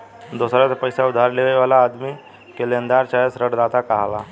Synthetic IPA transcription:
d̪osɾat͡sapəjsaud̪ʱaɾleʋeʋalaːd̪miː | kelend̪aɾt͡ɕajəsɾəɽd̪at̪akaɦala

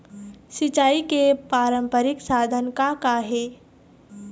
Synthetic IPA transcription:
sɪt͡ʃaːikepaːɾə̃mpəɾɪksaːd̪ʱənkakaɦeː

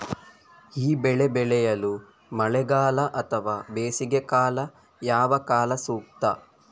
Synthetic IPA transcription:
iːbɛɭebɛɭɛjɐlu | mɐɭɛɡaːlɐʔɐt̪ʰɐʋaːbeːsiɡekaːlɐ | jaːʋɐkaːlɐsuːk̚t̪ɐ̰

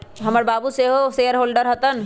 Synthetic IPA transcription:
ɦɐməɾbaːbuseɦoseːəɾɦoːlɖəɾɦət̪ən

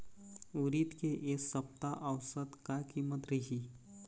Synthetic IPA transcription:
uɾit̪keʔeːksəpt̪aʔəʋsət̪kakiːmət̪ɾɐɦiː

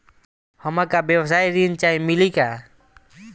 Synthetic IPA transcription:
həmakabjɛwsajɾint͡ʃajmilika

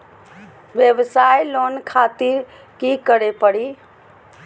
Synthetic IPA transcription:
ʋjeʋsajlonkʰat̪iɾ | kikəɾepəɽi

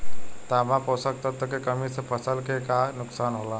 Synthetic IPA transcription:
t̪amãposək̚t̪əɾt̪əkekəmisəpʰəsəlkekanuksanɦola

